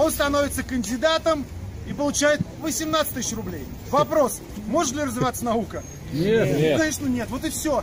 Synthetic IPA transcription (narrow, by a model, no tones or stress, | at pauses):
o̞nst̪ɐnovʲɪt̪səkənʲdʲɪd̪at̪əmipəlˠʊt͡ɕæjɪt̪̚ | vəsʲɪmnat̪sɨ̥t̪ʲɨsʲːɕrʊblʲej | vɐpɾo̞s | mo̞ʐɨt̪lʲɪrəzvʲɪvat̪sənɐukə | nʲkɐɲʲeʂnənʲet̪vo̞t̪ɨfsʲo